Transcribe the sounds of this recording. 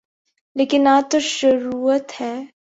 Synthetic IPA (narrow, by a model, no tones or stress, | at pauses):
leːkɪnaːt̪oʃəɾuːət̪hɛː